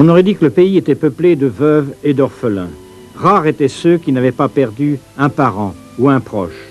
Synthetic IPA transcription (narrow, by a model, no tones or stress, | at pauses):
ɔ̃nɔʁɛd̪ikələpeiet̪ɛpəpled̪əvœved̪ɔʁfəlɛ̰̃ | ʁaʁet̪ɛsøkʲinavɛpapɛʁd̪y | ɛ̃paʁɑ̃ | uɛ̃pχɔ̰ʃ